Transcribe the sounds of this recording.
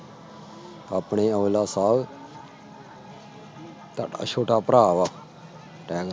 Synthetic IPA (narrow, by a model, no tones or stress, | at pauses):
aːpɳeːəːlaːsaːl | t̪aʈa̰ːt͡ʃʰoːʈaːpəɾaːʋaː | ʈɛːɡ